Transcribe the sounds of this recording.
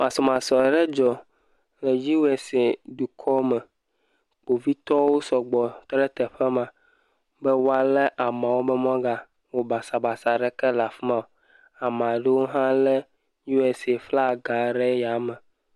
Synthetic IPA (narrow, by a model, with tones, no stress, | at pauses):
mã˨sɔ˨mã˨sɔ˨ɖɛ˦d͡ʒɔ˨ | lɛ˨d͡ʒi˦we˨se˨du˨kʰɔ˦mɛ˨ | k͡po˨vi˦t̪ɔ˦wo˦sɔ˨ɡ͡bɔ˨t̪ɔ˦ɖɛ˦t̪ɛ˨ɸɛ˦mã˨ | bɛ˦wo˦a˦lɛ˦ʔa˨mã˨wo˦bɛ˦m˦ɔ̃˦ɡa˨ | wo˦ba˨sa˨ba˨sa˨ɖɛ˦kɛ˦la˨fi˦mã˨o˨ | a˨m˨ã˨ɖe˦wo˦ɦã˦lɛ˦ | ju˦ɛ˨se˨fla˦˨ɡa˨ɖɛ˦ja˨mɛ˨